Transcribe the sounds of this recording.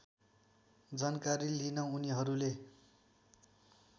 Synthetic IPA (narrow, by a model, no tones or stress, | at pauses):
d͡zʌnkaɾilinʌuniɦʌɾule